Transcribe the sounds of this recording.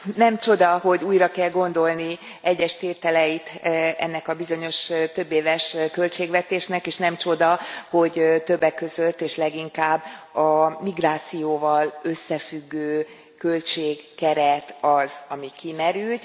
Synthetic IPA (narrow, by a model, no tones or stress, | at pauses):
nɛmt͡ʃo̞d̪ɒɦo̞ɟuːjrɒkɛlɡo̞nd̪o̞lni | ɛɟːɛʃt̪eːt̪ɛlɛjit̪ɛ̰nːɛkɒbizo̞ɲo̞ʃt̪ø̞bːeːvɛʃkø̞lt͡ʃeːɡʋɛt̪eːʃnɛkeːʃnɛmt͡ʃo̞d̪ɒho̞ɟt̪ø̞bːɛkːø̞zø̞lt̪ːeːʃlɛɡiŋkaːbːɒmiɡraːt̪sijoːvɒløsːɛfyɡːøː | kø̞lt͡ʃeːɡːɛɾɛt̪ɒzɒmikimɛɾylt̪